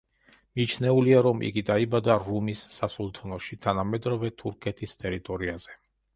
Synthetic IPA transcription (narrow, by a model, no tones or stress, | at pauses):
mit͡ʃʰnɛuliaɾɔmʔḭɡid̪aibad̪aɾumisːasulˠt̪ʰɔnɔʃit̪ʰanamɛd̪ɾɔvɛt̪ʰuɾkʰɛt̪ʰist̪ʼɛɾit̪ʼɔɾiaz̥ɛ